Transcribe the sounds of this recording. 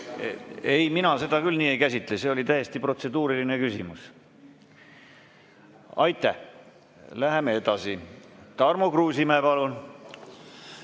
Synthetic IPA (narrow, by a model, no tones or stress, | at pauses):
e̞jminɑse̞d̪̥ɑkylniːe̞jkæsʲit̪ːˑlese̞o̞lʲit̪æje̞st̪ipro̞t̪se̞d̪uːɾiline̞kysimus | ɑ̰jt̪ːˑæh | læɦemee̞d̪̥ɑsit̪ɑrmokruːsimæːpɑlun